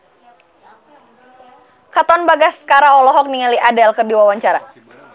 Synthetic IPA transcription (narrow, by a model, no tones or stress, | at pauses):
kat̪ɔnbaɡaskaɾaɔlɔɦɔk̚niŋaliʔadɛlkərdiwawaɲt͡ʃaɾa